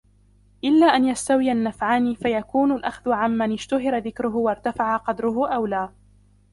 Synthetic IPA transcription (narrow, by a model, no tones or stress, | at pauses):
ʔɪlːaːʔanjast̪awɪjanːafʕaːniːfajakuːnʊlʔaxðʊʕamːanɪd͡ʒt̪ʊɦɪɾaðɪkɾʊɦʊwɑɾˤt̪afaʕaqɑd̪ɾʊɦʊʔawlaː